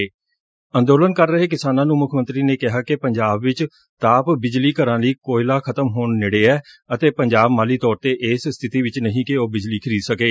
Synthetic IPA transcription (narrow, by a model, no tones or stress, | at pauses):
ənd̪oːlənkəɾːəɦeːkɪsaːnãːnũːmʊkʰmə̃nt̪ɾiːneːkɪɦaːkɪpəɲd͡ʒaːbʋɪt͡ʃ | t̪aːpbɪd͡ʒliːkəɾãːliːkoːilaːkʰət̪əmɦoːɳːeɽeːɛːət̪eːpəɲd͡ʒaːbmaːliːt̪ɔːɾt̪eːʔeːsst̪ʰɪt̪iːʋɪt͡ʃnəɦĩːkɪoːbɪd͡ʒliːkʰɪɾiːd̪səkeː